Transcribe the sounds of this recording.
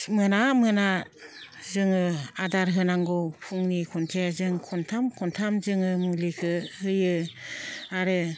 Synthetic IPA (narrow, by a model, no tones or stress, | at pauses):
mɯnamɯna | zɯŋɯadaɾɦɯnaŋɡɔpʰuŋnikʰɔntʰeazɯŋkʰɔntʰamkʰɔntʰamzɯŋɯmulikʰɯhɯjɯ | aɾɯ